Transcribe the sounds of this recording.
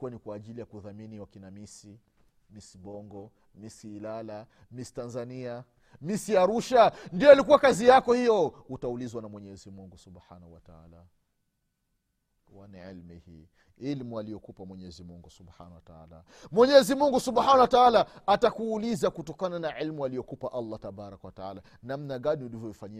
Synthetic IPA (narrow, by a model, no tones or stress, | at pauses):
kuwanikwaːʄilijakuðaminiwakinamisi | misiɓɔŋɡɔ | misiːlala | misi̥tanzania | misiaɾuʃandiɔalikuwakazijakɔhijɔutaulizwanamwɛɲɛzimuŋɡusubħanahuwataa̰la | waniʕḭlmḭhḭː | ilmualijɔkupamwɛɲɛzimuŋɡusubħa̰nawataa̰la̰ | mwɛɲɛzimuŋɡusubħanawataalaatakuːlizakutɔkananaʕilmualijɔkupaʔalːataɓaɾakɔwataa̰la | nam̩naɠaniulivjɔvifaɲi